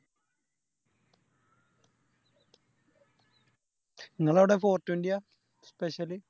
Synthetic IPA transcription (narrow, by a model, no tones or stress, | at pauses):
iŋːɐɭɐʋiɽefo̞ːrtːundija | speɕɐli